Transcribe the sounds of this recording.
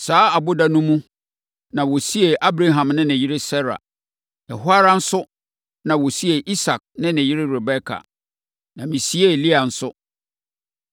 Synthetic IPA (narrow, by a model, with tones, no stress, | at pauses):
saː˨˦a˨bʊ˦da˦nũ˦mũ˦ | nã˨wɔ˨si˦e˨ʔa˦bɾa˦ɦã˨mnɪ̃˦nɛ̃˨jɪ˦ɾɪ˦sɛ˦ɾa̰˨ | ɛ˨hʊ˦a˦ɾa˦n̩˦sʊ˦ | nã˨wo˨si˦e˨ʔi˦sa˨k̚nɪ̃˦nɛ̃˨ji˦ɾɪ˦ɾɛ˨bɛ˦kʰa̰˨ | nã˨mĩ˨si˦e˦˨li˦a˨n̩˦sʊ˦